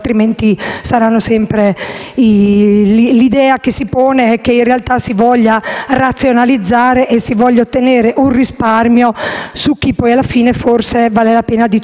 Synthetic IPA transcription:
t̪ɾiment̪isaɾanːosɛmpɾei | lid̪ɛːakesːipɔːneɛk̟ːeinrealt̪asivɔʎːarat̪sːjonalid̪zːaːɾeʔesːivɔʎːaot̪ːeneːɾeʔunrisparmjosuk̟ːipːɔjalːafiːneforsevaːlelapeːnad̪i

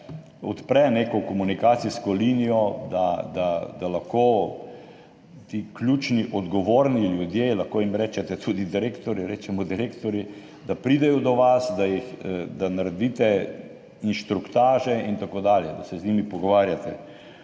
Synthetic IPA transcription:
ɔt̪pɾɛneːkɔkɔmunikaːt̪siskɔlinijɔd̪ad̪ad̪alaxkoː | t̪iːklʲjuːt͡ʃniʔɔd̪ɡɔʋoːɾniljud̪jeːlaxkoːimɾɛːt͡ʃɛt̪ɛt̪ʰud̪id̪iɾekt̪ɔɾiɾɛːt͡ʃɛmɔd̪iɾekt̪ɔɾi | d̪apɾiːd̪ɛjɔd̪ɔʋasd̪ajixd̪anaɾɛd̪iːt̪ɛ | inʃt̪ɾukt̪aːʒɛint̪akoːd̪aːljɛd̪asɛznʲimipɔɡɔʋaːɾjat̪ɛ

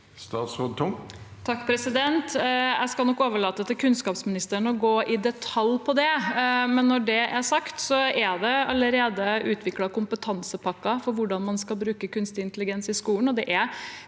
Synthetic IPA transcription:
st̪ɑːt̪sʁoːd̪̚t̪ʰʊmt̪ʰɑkːpʰɾɛsɪd̪ɛnt̪æ̰ɪskɑlnɔkːoːʋəɭɑːt̪ət̪ʰɪlkʰʉnskɑːpsmɪnɪst̪əɾnəɔɡoːʔɪd̪ɛt̪ʰɑlːpʰɔd̪ɛmɛnːɔɖɛʔæɾsɑkt̪sɔæd̪ɛɑləɾeːd̪əʉːt̪ʰʋɪklɑkʊmpət̪ʰɑnsəpʰɑkːɑfɔɾʋʊɖɑnmɑnskɑlbɾʉːkəkʉnst̪ɪnt̪lɪɡɛnsɪskuːlənɔd̪ɛʔæɾ

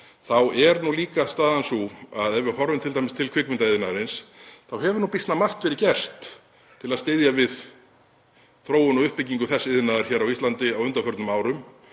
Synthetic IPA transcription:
θawɛɾnuliːkast̪aːðansuaðɛvʏɾhɔɾvʏnt̪ʰɪlt̪aːjmɪst̪ʰɪlkʰvɪkmɪnt̪aɪðɪnaðɾɪnsθawɦɛvʏɾnuːpist̪namar̥t̪vɛɾɪɾcɛr̥t̪ | t̪ʰɪlaðst̪eðjavɪð | θɾoːwʏnɔðʏhpɪcːiŋkʏθɛsːɪðɪnaðaɾ̥çɛːɾawist̪lant̪ɪawʏnt̪afœɾt̪nʏmaːwɾʏm

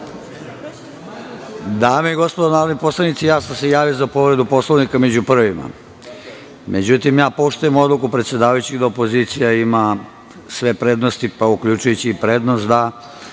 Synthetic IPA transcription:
d̪aːmeiɡo̞spod̪onaːɾod̪nipo̞slˠanit̪sijaːsamsejaːʋiozapo̞ʋɾe̞d̪upo̞sloʋnikame̞d͡ʑupr̩ʋima̰ | mʔe̞d͡ʑut̪imjaːpo̞ʃt̪ujemo̞d̪lˠukupɾet̪sje̞d̪aːʋajut͡ɕiɡd̪aopoziːt̪sijaima | sʋe̞pɾe̞d̪nost̪ipaukʎut͡ʃujut͡ɕiːpɾe̞ːd̪nost̪d̪a

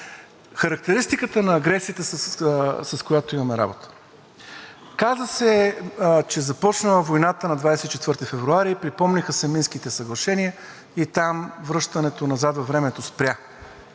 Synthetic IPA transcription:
xɐɾɐk̚t̪ɛɾist̪ikət̪ənɐːɡɾɛsiət̪əs | sɐskojat̪oimɐmɛɾa̰bot̪ə̥ | kazəsɛ | t͡ʃɛzɐpɔt͡ʃnəlˠəvojnat̪ənɐd̪vajsɛt̪it͡ʃɛt̪vəɾt̪ifɛvɾuaɾiːpɾipɔmnixəsɛminskit̪ɛsɐɡlˠɐʃɛniə | it̪amvɾɤʃt̪ɐnɛt̪onɐzat̪vɐvɾɛmɛt̪ospɾʲja

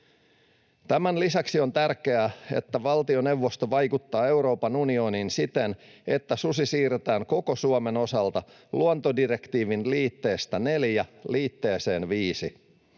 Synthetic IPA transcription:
t̪æmænlisɑksio̞nt̪ærke̞æe̞̰t̪ːæʋɑlt̪io̞ne̞wʋːo̞st̪o̞ʋɑjkut̪ːɑːe̞wɾo̞ːpɑnunio̞ninsit̪en | e̞t̪ːæsusisiːret̪æːŋko̞ko̞suome̞no̞sɑlt̪ɑ | luont̪o̞dire̞kt̪iːʋinliːt̪ːe̞ːst̪æne̞ljæliːt̪ːe̞ːse̞ːnʋiːsi

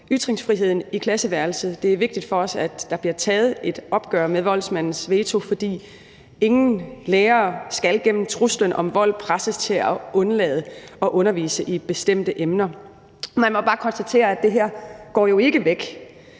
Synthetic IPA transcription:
yd̥ʁeŋsfʁiɦe̝ð̞̰ˠn̩ikʰlæsəʋæɐlsəd̥e̝æɐʋe̝ɡ̥d̥id̥fɒ̽ɒ̽sæd̥ːɑ̈b̥liɐt͡sʰɛːð̞̩ˠe̝d̥ɒ̽b̥ɡ̥ɶɐ̰meðʋɒ̽l̰smæn̰n̩sʋe̝ːt͡sʰo̝fɒ̽d̥ḭː | e̝ŋn̩leːɐːsɡ̥ælɡ̥en̰m̩t͡sʰʁuslənʔɒ̽mʋɒ̽l̰pʰʁasəst͡sʰe̝læʔɔ̽nlɛːð̞ˠəɒ̽ʔɔ̽nɐʋḭːsəʔib̥e̝sd̥em̰d̥əʔemnɐ | mænmɒ̽b̥ɑ̈ːkʰɒ̽nsd̥æt͡sʰe̝̰ːɐæd̥e̝ɦæɐ̰ɡ̥ɒ̰ːjo̝e̝ɡ̥əʋeɡ̥

